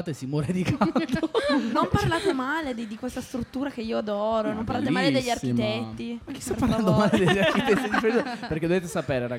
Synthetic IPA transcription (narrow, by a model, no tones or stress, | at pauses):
t̪esimoɾed̪ikat̪onomparlaːt̪emaled̪id̪ikwest̪ast̪ɾut̪ːuːɾak̟eiːoad̪ɔːɾonompaɾlaːt̪emaːled̪eʎːarkit̪ɛt̪ːiakːi̥st̪aɾpːaɾland̪omaːled̪eʎːaɾkit̪ɛt̪ːid̪ifeɾizopeɾrk̟ed̪ovet̪̬esapeːɾeɾa